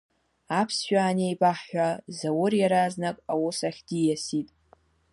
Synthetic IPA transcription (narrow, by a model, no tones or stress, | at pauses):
apʰsʃᶣʷaːnejbʼaħːʷᶣazawʊrjaɾaznakʼawʊsaχʲdijasitʼ